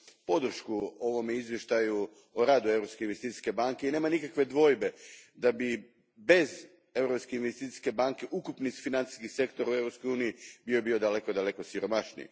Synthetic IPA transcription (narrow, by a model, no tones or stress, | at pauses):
po̞d̪r̩ʃkuoʋo̞mjeizʋjeʃt̪aju | oɾaːd̪ue̞vɾo̞pskeinʋest̪it̪i̥ske̞baŋkeineːmanikakʋe̞d̪ʋo̞jbe̞d̪abi | be̞z | e̞vɾopskeinʋest̪it̪i̥ske̞baŋke̞ʔukupnisfinant̪i̥skixse̞kt̪oɾaue̞vɾopsko̞juːnijibiobio̞d̪ale̞ko̞d̪ale̞kosiɾo̞maʃnḭj